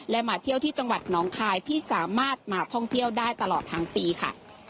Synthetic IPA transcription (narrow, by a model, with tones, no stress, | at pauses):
lɛ˦˥maː˩˦t̪ʰi˥˩əwt̪ʰiː˥˩t͡ɕa˧ŋwa˨˩t̪̚nɔː˨˦˥ŋkʰaː˧jt̪ʰiː˥˩saː˩˦maː˥˩t̪̚maː˧t̪ʰɔ˥˩ŋt̪ʰi˥˩əwdaː˥˩jt̪a˧lɔː˨˩t̪ʰːa˦˥ŋpiː˧kʰa̰˥˩